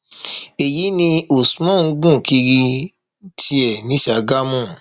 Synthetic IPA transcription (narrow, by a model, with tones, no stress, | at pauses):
e˨ji˨˦nĩ˧o˨su˦mɔ̃˦˨˦ɡũ˦˨ki˧ɾi˧ | tʰi˧˦ɛ˨nĩ˨˦ʃa˧˨ɡa˦mũ˦˨